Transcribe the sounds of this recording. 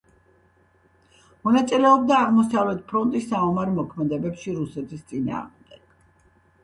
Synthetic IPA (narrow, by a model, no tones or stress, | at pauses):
mɔnat̪sʼilɛɔb̚d̪aːʁmɔsavlɛt̪̚ʰpʰɾɔnt̪ʼisːaɔmaɾɛmɔkʰmɛd̪ɛbɛpʃiɾusɛt̪ʰist̪sʼina̰ːʁmd̪ɛɡ̥̚